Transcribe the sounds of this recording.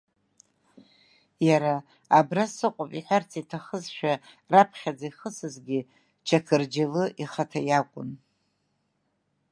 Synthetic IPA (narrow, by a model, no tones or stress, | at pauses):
jaɾaː | brasɨqʷʼʊpʼḭħʷart͡sʰitʰaχəzʃᶣa | rapʰχʲad͡zaiχəsɨzɡʲɪ | t͡ʃʰakʰɨrd͡ʒalɨʔiχatʰajakʷʼʊ̰n